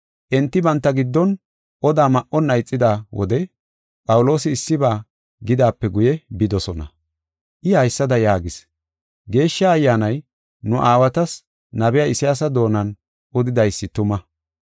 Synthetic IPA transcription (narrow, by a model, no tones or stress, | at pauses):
ʔɛnt̪ːɪbɐnt̪ːɐɡɪd̪ːɔn | ʔɔd̪aːmɐʔɔnːɐjt͡sʼːɪd̪aːwɔ̰d̪ɛ | pʼɐwʊlo̞ːsɪːsːɪbaː | ɡɪd̪aːpːɛɡʊjɛbɪd̪ɔsɔnɐ̰ | ʔɪhɐjsːɐd̪ɐjaːɡɪs | ɡe̞ːʃːɐːjːaːnɐj | nʊʔaːwɐt̪ɐs | nɐbɛjaɪsɪjaːs̬ɐd̪o̞ːnɐn | ʔɔd̪ɪd̪ɐjsːɪt̪ʊmɐ